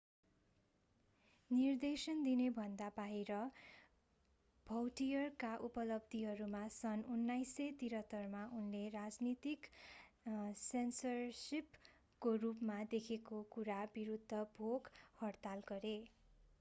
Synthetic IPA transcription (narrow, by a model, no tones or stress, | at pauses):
nird̪esʌnd̪inebʱʌnd̪apaɦeɾʌ | b̥ʱʌwʈijʌrkaʔupʌlʌb̚d̪ʱiɦʌɾumasʌnunːajset̪iɾʌt̪ːʌrmaunlerad͡znit̪ik | sensʌrsip | korupmad̪ekʰekokuɾabiɾud̪ʱːʌbʱoɡhʌrt̪alɡʌɾe